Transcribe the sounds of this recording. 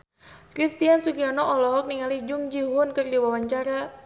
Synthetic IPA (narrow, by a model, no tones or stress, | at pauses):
kɾist̪iansukiɔnɔʔɔlɔɦɔk̚niŋalid͡ʒʊŋd͡ʒiɦʊnkɨrdiwawaɲt͡ʃaɾa